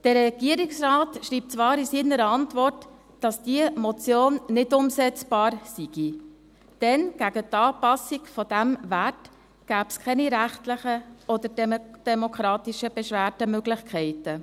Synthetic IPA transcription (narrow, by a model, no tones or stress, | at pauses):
d̥əːɛɡ̥iəɾɪksrɑːtʃriːp̚t͡sʋɑːɾisiːnəɾəɑntvɔrt | d̥ɑsd̥iəmɔt͡sjoːnːɪdʊmsɛt͡sb̥ɑːɾsiɡ̥i | d̥ɛnɡ̥æɡətɑːpɑsikfɔd̥æmvæt | ɡ̥æːpskʰɛniɾæχtləχəɔdəɾdd̥ɛmokʰɾɑːtiʃəb̥ɛʃʋæːɾdəmøɡlɪxkʰɛɪtə